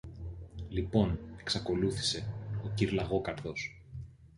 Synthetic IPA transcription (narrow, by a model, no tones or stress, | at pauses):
lipo̞ne̞ksɐko̞luθi̥se̞ociɾlɐɣo̞kɐɾðo̞s